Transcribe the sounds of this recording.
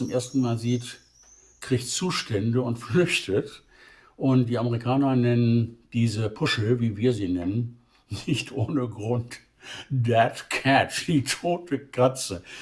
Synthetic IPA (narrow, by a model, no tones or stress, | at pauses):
ʊmʔeːɐstn̩maːlziːt | kʁ̥içtt͡suːʃtʰɛndəʊntflʏçtət | ʔʊntd̥iːaməʁikʰaːnɐnɛnənd̥iːzəpʰʊʃl̩viːviːɐziːnɛnənː | ɪçtʰʔoːnəɡʁʊnt | dɛtkʰɛt͡ʃd̥iːtʰoːtʰəkʰat͡sə